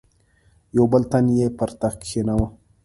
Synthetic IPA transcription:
jowbəlt̪anjepəɾt̪axkʰːenawə

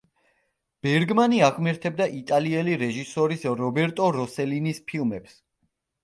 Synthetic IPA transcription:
b̥ɛɾɡmaniaʁmɛɾt̪ʰɛb̚d̪aʔit̪ʼaliɛliɾɛʒisɔɾisɾɔbɛɾt̪ʼɔɾɔsɛlinispʰilˠmɛps

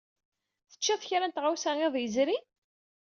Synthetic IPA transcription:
θə̥t͡ʃːæθçɾænt̪ʁawsææðˤjəzɾi

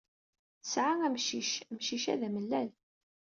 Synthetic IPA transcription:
θəsʕaŋæmʃiʃmʃiʃæ̰ðæməlːæl

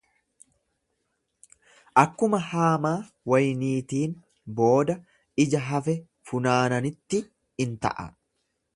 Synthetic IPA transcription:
ʔɐkːʊmɐhaːmaː | wɐjniːt̪iːn | bo̞ːd̪ɐ | ɪd͡ʒɐɦɐfɛ | fʊnaːnɐnɪt̪ːɪ | ɪnt̪ɐ̰ʔɐ̰

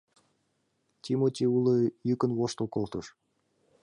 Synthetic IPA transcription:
t̪ʲimot̪ʲiulɤjykə̆nwoʃt̪okolˠt̪ɤʃ

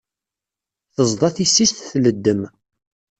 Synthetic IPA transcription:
θəzˤd̪ˤɑθisːist̪θləd̪ːəm

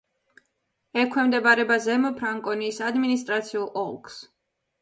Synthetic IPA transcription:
ɛkʰwɛmd̪ɛbaɾɛbazɛmɔpʰɾaŋkʼɔnisad̪minist̪ʼɾat̪sʰiulˠʔɔ̰lˠks

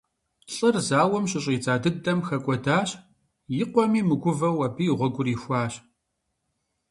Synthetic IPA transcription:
ɬʼɨrzaːwɔmɕʼɪɕʼiːt͡sʼaːdɨdɐmxɐkʷʼɔdaːɕ | jɪqʷɔmiːmɨɡʷʊvɐwɐbiːʁʷɔɡʷʊriːxʷɑːɕ

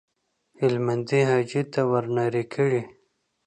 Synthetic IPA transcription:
hɪlmand̪iɦɑd͡ʒit̪awaɾnɑɾikʰəɽi

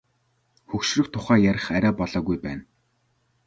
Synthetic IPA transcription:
xɵkʃrɵ̆k̚t̪ʰʊχæːjæɾʲɪ̆χæɾʲæːpɔɮɔːɣujpæːn

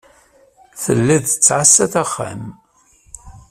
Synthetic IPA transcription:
θə̰lːiðət͡sːʕasːæθaχːa̰m

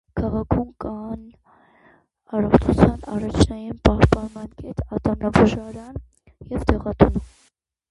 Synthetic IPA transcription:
kʰɑʁɑkʰumkɑn | ɑrɔχt͡ʃʰut͡sʰjɑnɑrɑt͡ʃʰnɑjinpɑhpɑnmɑnkɛt̪ɑt̪ɑmnɑbuʒɑɾɑn | jɛvd̪ɛʁɑt̪ʰum

